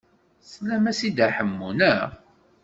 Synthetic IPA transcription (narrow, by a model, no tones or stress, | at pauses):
slæmæsid̪aħəmːunə